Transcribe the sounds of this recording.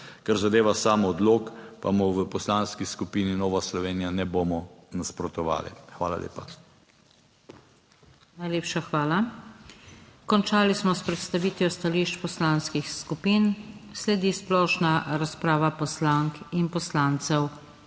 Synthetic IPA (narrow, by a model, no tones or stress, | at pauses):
kaɾzad̪eːʋasaːmɔːd̪loːkpa̰mɔʋəpɔslanskiskupiːninɔːʋaslɔʋeːnijanɛboːmɔnaspɾɔt̪ɔʋa̰ːlɛ̰xʋa̰ːla̰lḛːpa | najleːpʃaxʋaːla | kɔnt͡ʃaːlismɔspɾɛt̪st̪aʋiːt̪ʋjɔst̪aliːʃt͡ʃpɔslaːnskixskupiːnslɛd̪isplɔːʃnaɾaspɾaːʋapɔslaŋkinpɔslaːnt̪sɛw